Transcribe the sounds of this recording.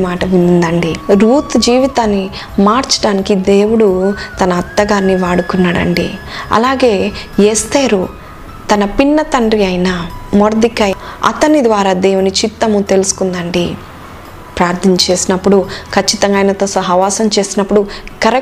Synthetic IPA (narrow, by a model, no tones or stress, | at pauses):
maːʈɐʋinnd̪ɐɳɖiɾuːt̪d͡ʒiːʋit̪aːnːi | maːɾt͡ʃɐ̥ɽaːnikid̪e̞ːwuɽut̪ɐnɐːt̪ːɐɡaːnːiʋaːɽukunːaːɽɐ̰ɳɖḭɐ̰laːɡe̞ːeːst̪aːɾu | t̪ɐnɐpinːɐt̪ɐɳɖriɐjnamoɾd̪ikɐɐ̰t̪ɐnid̪ʋaːɾaːd̪e̞ːwunit͡ʃit̪ːɐmut̪e̞lusu̥kund̪ɐɳɖi | pɾaːɾt̪ʰint͡ʃe̞ːsinɐpːuɽukʰɐt͡ʃːit̪ɐŋɡaːjnɐt̪oːsɐɦɐʋaːsɐmt͡ʃe̞ːsinɐpːuɽukɐɾe